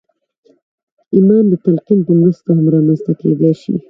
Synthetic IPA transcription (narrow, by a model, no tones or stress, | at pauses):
imɑnd̪ət̪alqinpəmɾast̪aɦamɾɑmanst̪aked̪ajʃḭ